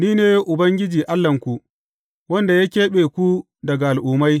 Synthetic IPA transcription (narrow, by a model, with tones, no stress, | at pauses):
niː˦neː˦ʔʊ˨bɐ˦ŋɡʲɪ˦d͡ʒiː˨ʔa˦lːɐ˨ŋkʷu˨ | wɐ˦nda˨ja˦kʲeː˦ɓeː˨kʷu˦ | dɐ˨ɡa˨ʔa˨lʔʊː˨ma˦j